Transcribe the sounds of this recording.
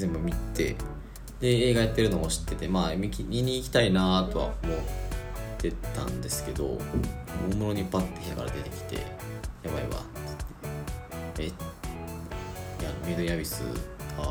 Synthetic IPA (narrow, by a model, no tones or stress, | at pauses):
zẽ̞mbɯ̟mʲit̪e̞̰ | d̪̥e̞eːɡajat̪ːe̞ɾɯ̟no̞ɡoɕi̥t̪ːe̞t̪e̞maːmʲikʲimʲiɲ̟iːkʲi̥t̪ainat̪o̞βa̰omo̞t̪ʰːe̞t̪ã̰nd̪e̞sɨ̥ke̞d̪o̞̰ | oːmoɾo̞ɲ̟ipat̪ːo̥kʲit̪aka̰ɾa̰d̪e̞t̪e̞kʲi̥t̪e̞̰jaβaiβa̰ɨ̥t̪ːe̥ | e | jamed̪oijabʲisɨ̰ka